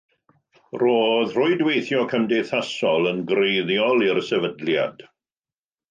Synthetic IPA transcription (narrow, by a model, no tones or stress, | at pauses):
roːðr̥ʊɨdwejθjɔkʰəmdeθasɔlˠənɡrejðjɔlˠiɾsɛvədlja̰d̥